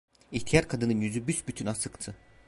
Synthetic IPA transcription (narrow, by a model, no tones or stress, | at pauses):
iht̪ʰijaɾkʰad̪ɯnɯnjyzybysbyt̪ʰynasɯkt̪ʰɯ